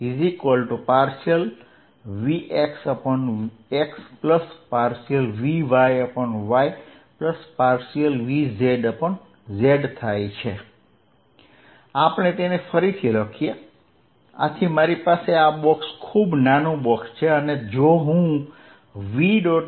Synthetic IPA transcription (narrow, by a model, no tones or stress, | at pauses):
izikʋəlʈupaɾsiəl | ʋiʔeksəpɔn | ekspləspaɾsiəlʋiʋajəpɔnʋaj | pləspaɾsijəlʋizeɖəpən | zeɖt̪ʰajt͡ʃʰe | apəɳ̃et̪enefəɾit̪ʰiləkʰije | a̰t̪ʰimaɾipaseabɔkskʰubnanũbɔkst͡ʃʰeəned͡ʒoɦũ | ʋiɖɔ